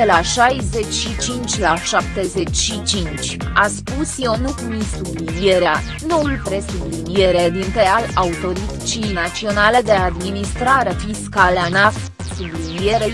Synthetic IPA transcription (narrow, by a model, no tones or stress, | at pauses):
elaʃajze̞t͡ʃʲʃit͡ʃint͡ʃʲlaʃap̚t̪e̞ze̞t͡ʃʲʃit͡ʃint͡ʃʲaspusjonukumisublliieɾea | no̞ulpɾe̞sublinije̞ɾed̪int̪ɾe̞alaut̪o̞ɾit̪t͡ʃijnat̪sio̞nale̞d̪e̞ad̪minist̪ɾaɾefiskaleanaf | sublinieɾe